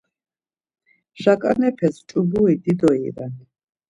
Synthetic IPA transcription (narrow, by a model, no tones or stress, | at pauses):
ʃakʼanɛpʰɛst͡ʃʼubuid̪id̪ɔḭɾɛn